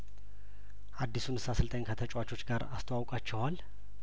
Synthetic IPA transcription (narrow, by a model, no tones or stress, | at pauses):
ʔad̪ːisunɨsasɨlt̪ʼəɲkʰət̪ʰət͡ʃʼwat͡ʃʼo̞t͡ʃːɡaɾast̪ʰəwawkʼat͡ʃːɛhal